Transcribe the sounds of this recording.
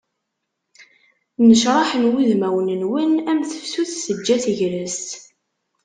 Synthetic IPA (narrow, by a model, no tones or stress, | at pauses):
nəʃɾˤɑħənwiðmæwənənwənæmθə̥fsuθsəd͡ʒːæθʝɾəst̪